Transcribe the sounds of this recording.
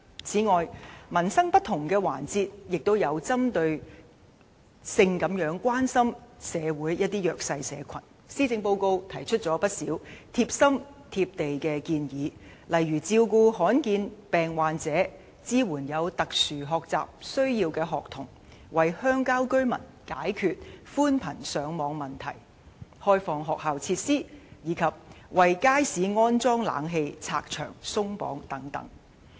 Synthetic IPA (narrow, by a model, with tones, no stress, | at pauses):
t͡sʰiː˨˥ŋɔː˨jmɐ˨˩nsɐ˥ŋpɐ˥t̪̚ʰːʊ˨˩ŋkɛː˧wa̰ː˨˩nt͡siː˧t̚jɪ˨k̚t̪o˥wjɐ˨˧wt͡sɐ˥mt̪ɵ˧ɥ | sɪ˧ŋkɐ˨˥mjœː˨˥ŋkʷwaː˥nsɐ˥msɛː˨˧wuː˨˥jjɐ˥t̚t̪iː˥jœː˨˩k̚sɐ˧jsɛ̰ː˨˧kʷʰɐ˨˩n | siː˥t͡sɪ˧ŋpo˧wko˧wt̪ʰɐ˨˩jt͡ʃʰɵ˥t̚t͡ʃt͡sɔː˨˥pɐ˥t̚siː˨˥wt̪ʰiː˧p̚sɐ˥mt̪ʰiː˧p̚t̪e˨jkɛ˧kiː˧njiː˨˥ | lɐ˨jyː˨˩t͡siː˧wkuː˧ɦɔː˨˥nkiː˧npɛː˨ŋwaː˨nt͡sɛː˨˥ | t͡siː˥wuː˨˩njɐ˨˧wt̪ɐ˨k̚syː˨˩ɦɔː˨k̚t͡sa̰ː˨p̚sɵ˥ɥjiː˧wkɛː˧ɦɔː˨k̚t̪ʰʊ˨˩ŋ | wɐ˨jhœː˥ŋkaː˥wkɵ˥ɥmɐ̰˨˩n | kaː˨˥jkʰyː˨t̚fuː˥npʰɐ˨˩nsœː˨˧ŋmɔː˨˧ŋmɐ˨˩nt̪ʰɐ̰˨˩j | hɔː˥jfɔː˨ŋɦɔː˨k̚ɦaː˨wt͡sʰiː˧t̚siː˥jiː˨˧kʰɐ˨p̚wɐ˨jkaː˥jsiː˨˥ŋɔː˥nt͡sɔː˥ŋla̰ː˨˥ŋɦe˧jt͡sʰa̰ː˧k̚t͡ʃʰœ̰ː˨˩ŋsʊ˥ŋpɔ̰ː˨˥ŋt̪ɐ˨˥ŋt̪ɐ̰˨˥ŋ